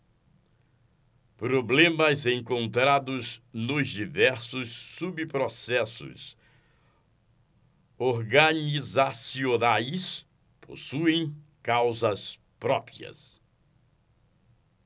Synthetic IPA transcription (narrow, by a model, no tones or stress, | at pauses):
pɾoblẽmɐzẽŋkõnt̪ɾad̪ʊznʊzd͡ʒivɛɾsʊsːubpɾosɛsʊ̰s | oɾɡɐnizasionajs | pʰo̰suẽj̃kawzɐs | pɾɔpɾiɐ̰s